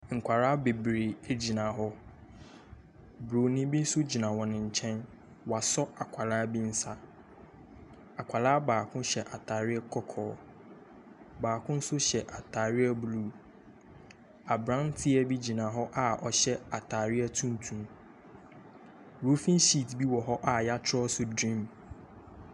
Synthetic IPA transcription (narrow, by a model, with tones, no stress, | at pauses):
ŋ̩˨kʷʰa˨ɾaː˦be˨bɾe˨e˦d͡ʑi˨nã˨ɦɔ˦ | bɾo˨nĩ˦bi˦n̩˦sʊ˦d͡ʑi˨nã˨wɔ̃˨nɪ̃˨ɲ̩˨t͡ɕʰɛ̃˦n | wa˨sɔ˦a˨kʷʰa˨laː˦bi˦n̩˦sa˨ | a˨kʷʰa˨laː˦baː˨kʰʊ̃˦ɕɛ˨ʔa˨tʰaː˨ɾɪ˦ɛ˦kʰɔ˦kʰɔː˦ | baː˨kʰʊ̃˦n̩˦sʊ˦ɕɛ˨ʔa˨tʰaː˨ɾɪ˦a˦bluː˦˨ | a˨bɾã˦n˦tʰɪ˦ɛ˦bi˦d͡ʑi˨nã˨ɦɔ˦ʔa˦˨ʔɔ˨ɕɛ˦a˨tʰaː˨ɾɪ˦ɛ˦tʰũ˦n˦tʰũ˨m | ɾo˦fĩ˦n˦ɕi˦˨tbi˦wɔ˨ɦɔ˦ʔa˨ja˦t͡ɕʰɔ˦sʊ˦dɾĩ˦m